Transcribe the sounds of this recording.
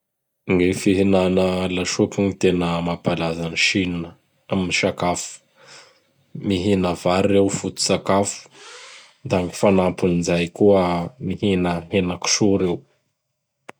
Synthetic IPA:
ŋefiɦinanəlaʃupuŋit̪enəmapalazaniʃinnə | aminiʃakafu̥ | miɦinəvaɾːewfut̪u̥sakafu̥ | d̪aŋifanapunizajkuəmihinəɦenaku̥ʃuɾew

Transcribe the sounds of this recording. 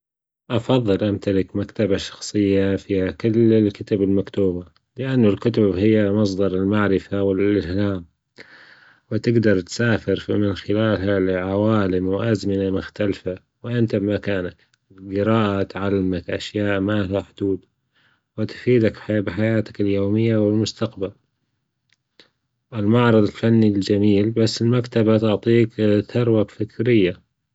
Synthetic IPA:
ʔɑfɑðˤːɨlʔamt̪alɪkmakt̪abaʃɑ̥xsˤɨjːafiːhakʊlːɪlkʊt̪abɪlmakt̪uːba | lɪʔanːʊlkʊt̪̬ʊbhɪjːamɑs̬ˤd̪ɑɾˤɪlmaʕɾɪfawɪlʔɪhlaːm | wɪt̪ɪɡd̪ɑɾˤt̪saːfɪɾfimɪnxɪlaːlɦalʕawaːlɪmwʔazmɪnamʊxt̪alfa | wɪʔɪnt̪abɪmakaːnak | ɡɪɾaːʔat̪ʕalːɪmakʔaʃjaːʔmaːlaħd̪̥uːd̪ | wɪt̪fiːd̪akħabɪħajaːt̪ḁkɪljoːmɪjːawɪlmʊst̪aqbal | ɪlmɑʕɾˤɨðˤɪlfanːild͡ʒamiːlbasːɪlmakt̪abat̪ʊʕt̪ˤiːkθɑɾˤwakfɪkɾɪjːa

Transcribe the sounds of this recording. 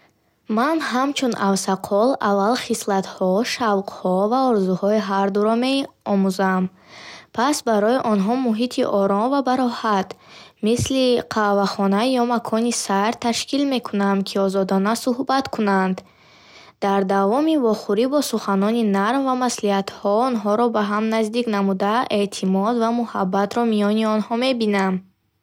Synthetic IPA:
manɦamt͡ʃʰunʔavsaqʰɔlavːalχislat̪hɔʃavqhɔvaɔɾzuhɔiɦaɾd̪uɾɔme̞ɔmuzam | pʰasbaɾɔiʔɔnɦɔmuɦit̪ʰiʔɔɾɔnvabaɾɔhat̪misliqʰavaχɔnajɔmakʰɔnisaɾt̪ʰaʃkilme̞kʰunamkʰiɔzɔd̪ɔnasuhbat̪kʰunand̪ | d̪̥aɾd̪avɔmivɔχuɾibɔsuχanɔninaɾmvamasliat̪hɔɔnɦɔɾɔbaɦamnazd̪iknamud̪ae̞t̪ʰimɔd̪vamuhabːat̪ɾɔmijɔniɔnhɔme̞binam

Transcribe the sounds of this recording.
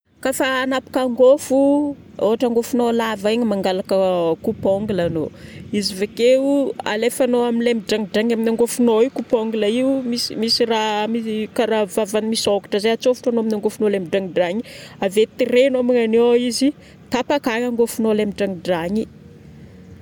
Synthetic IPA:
kafaːnapḁkaŋɡofu | oɦaʈ͡ʂaŋɡofunolavaeɲimaŋɡalakəkupoŋɡulanoizivekeua̰lefanoaminlemiɖ͡ʐaŋiɖ͡ʐaɲaminaŋɡofunoikupoŋɡuləiumisimisiramikaɾavavanimisokḁʈ͡ʂəzeat͡sofu̥ʈ͡ʂanoaminaŋɡofunolemiɖ͡ʐaŋiɖ͡ʐaɲiavet̪irenamiŋanoizi | t̪apakaɲaŋɡofunolemiɖ͡ʐaŋiɖ͡ʐaɲi

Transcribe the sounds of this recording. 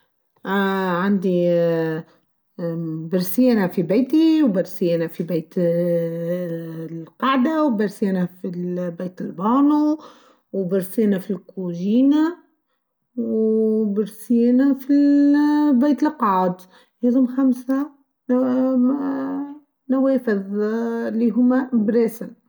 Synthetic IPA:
ʕand̪i | bɪɾsjæːnafibejt̪iwbɪɾsɪjeːnafibeːt̪ | lqɑʕd̪awbɪɾsjːnafilbeːt̪ɪlbɑːnu | wbɪɾsjeːnafilkʰoʒiːna | wbɪɾsɪjeːnafi | bejt̪ɪlqɑʕd̪ | heðumxamsa | naweːfɪð | liɦʊmːabɾeːsɪn

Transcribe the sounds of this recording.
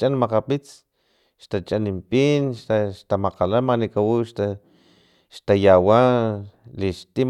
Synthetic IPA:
t͡ʃʼanmaqapit͡s | ʃt̪at͡ʃʼanimpiːnʃaʃt̪amaqalamanikawuʃt̪a | ʃt̪ajawa | liʃt̪i

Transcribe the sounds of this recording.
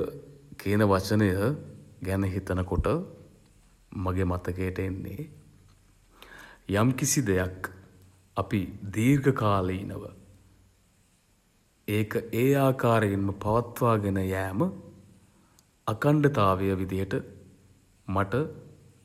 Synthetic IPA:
kiːnəʋat͡ʃənəjəɡænəɦit̪ɐnəkoʈə | mɐɡemat̪əkejʈəenːḛ | jamkisid̪ejak | apid̪iːrɡəkaːləinə̰ʋə̰ | eːkəʔeːaːkaːɾeinməpaʋɐt̪ʋaːɡenəjæːmə | ɐkaɳɖet̪aːʋejəʋid̪ijəʈə | maʈə

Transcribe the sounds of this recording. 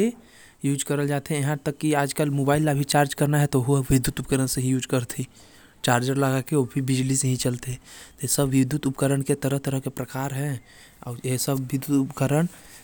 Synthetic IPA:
e | juːd͡ʒkəɾəld͡ʒaːt̪eɛ̃jɦãt̪əkːiaːd͡ʒkəlmoːbaːɪlːabʱit͡ʃaːɾd͡ʒkəɾnaɦɛt̪oɦʊaʋɪd̪ut̪ʊpkəɾənseɦĩjuːd͡ʒkəɾt̪ʰĩ | t͡ʃaːɾd͡ʒəɾləɡakeoːbʱibɪd͡ʒliseɦĩt͡ʃəlt̪eɛ̃t̪oesəbʋɪd̪jʊt̪ʊpkəɾəɳket̪əɾəɦt̪əɾəɦkepɾɐkaːɾɦɛ̃ | ɔːjesəbʋɪd̪ut̪ʊpkəɾəɳ

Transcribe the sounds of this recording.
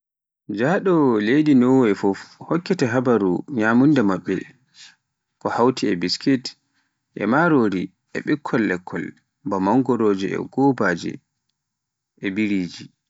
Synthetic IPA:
d͡ʒaːɗɔlejdinɔwɛfɔfhɔkːɛtɛɦabaɾuɲamundɛmaɓːɛ̰ | kɔhawtʰiɛbiskit | ʔɛ̰maɾoɾi | ʔɛ̰ɓɛkʰːɔlːɛkʰːɔl | bamaŋɡɔɾoːd͡ʒɛɛ̰ɡ̥ɔbaːd͡ʒɛ̰ | ʔɛbiɾiːd͡ʒi

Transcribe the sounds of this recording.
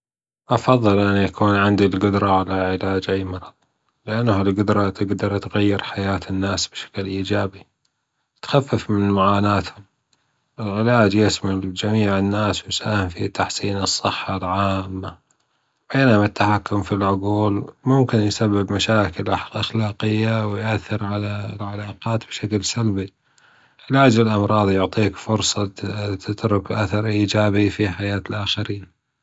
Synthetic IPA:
ʔɑfɑðˤːɨlʔɪnːjakuːnʕɪnd̪ilɡʊd̪ɾˤɑʕalaʕɪlaːd͡ʒʔajːmɑɾˤɑðˤ | lɪʔanːhɪlɡʊd̪ɾˤɑt̪ɪɡd̪ɑɾˤt̪ɣajːɪɾħajaːt̪ɪnːaːsb̥ʃḁklʔiːd͡ʒaːbi | t̪xafːɪfmɪnmaʕaːnaːt̪hʊm | ʔɪlʕɪlaːd͡ʒjɪsmald͡ʒamiːʕɪnːaːswjsaːhɪmfit̪ːaħsiːnɨsˤːɨħːalʕaːmːa | beːnʊmat̪ːaħakːʊmfilʕʊɡuːlmʊmkɪnjsabːɪbmaʃaːkɪlʔaʔaxlaːqɪjːawɪjʔaθːɪɾʕalalʕalaːqɑːt̪b̥ʃaklsalbi | ʔɪlaːd͡ʒɪlʔɑmɾˤɑːðˤjʊʕt̪ˤiːkfʊɾsˤɑt̪ɪt̪ɾʊkʔaθɑɾˤʔiːd͡ʒaːbifiħajaːt̪lʔaxaɾiːn

